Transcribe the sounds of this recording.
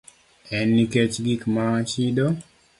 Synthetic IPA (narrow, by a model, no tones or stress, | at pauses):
ɛnːiket͡ʃɡikmat͡ʃido